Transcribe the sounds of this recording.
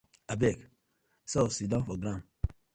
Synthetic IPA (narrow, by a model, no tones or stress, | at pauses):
abɛk | sɔsidɔ̃nfɔɡɾãm